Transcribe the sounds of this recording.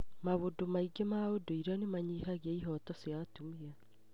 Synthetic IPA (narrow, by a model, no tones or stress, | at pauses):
maβodomaiɡemaodoiɾɔnemaɲihaɣeaiɦɔtɔsjatumia